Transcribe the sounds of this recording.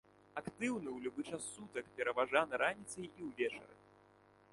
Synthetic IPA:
akt̪ɨwnɨwlʲubɨt͡ʂasːut̪ɐkpʲɛɾɐvaʐanɨɾʔanʲit̪sɐjiwvʲɛt͡ʂɐ̰ɾɐ̰

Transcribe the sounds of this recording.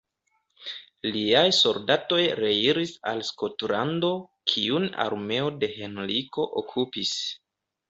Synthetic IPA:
liajso̞ldato̞jɾe̞iɾisa̰lsko̞tlando̞kʰiuna̰ɾme̞o̞de̞he̞nɾiko̞ʔokʰupis

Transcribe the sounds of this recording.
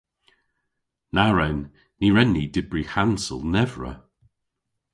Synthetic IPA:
naɹɛnː | iɹɛnːidɪbɹihansə̰lˠnɛvɹə̰

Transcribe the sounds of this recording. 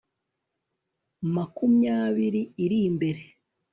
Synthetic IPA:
makumjaːβiɾiːɾimbe̞ɾe̞

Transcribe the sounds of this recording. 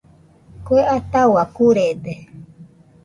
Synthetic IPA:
kueʔat̪awakuɾed̪e

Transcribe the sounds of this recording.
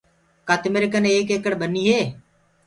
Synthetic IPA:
kaːt̪ɪmeɾɪkəneːkeːkəɽbəniːɦeː

